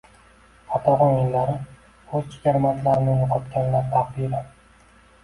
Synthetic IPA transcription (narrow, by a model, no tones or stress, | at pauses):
at̪ʰahɒŋenːaɾɪ | ozt͡ʃʰɪ̥kʲaɾmat̪laɾɪnɪjoqʰɒt̪kʲanlaɾt̪ʰaqd̪iɾɪ